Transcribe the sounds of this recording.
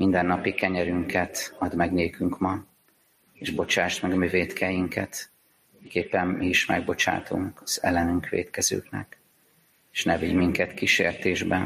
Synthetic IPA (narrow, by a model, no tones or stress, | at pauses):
mind̪ɛnːɒpikɛɲɛɾyŋkɛt̪ɒd̪mɛɡneːkyŋkmɒ | eːʒbo̞t͡ʃaːʃt̪mɛɡɒmyveːt̪kʰɛjiŋkʰɛt̪ | ikeːpːɛmmiiʃmɛɡ̚bo̞t͡ʃa̰ːt̪uŋkɒz̥ɛ̰lːɛnyŋkʋḛːt̪kɛzø̰ːknɛ̰k | eːʃnɛviɟmiŋkɛt̪kiʃḛːrt̪eːʒbɛ